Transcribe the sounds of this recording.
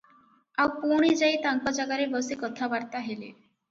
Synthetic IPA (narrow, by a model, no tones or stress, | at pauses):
awpuɽ̃id͡ʒajt̪aŋkɔd͡ʒaɡaɾebɔsikɔt̪ʰabaɾt̪aɦelḛ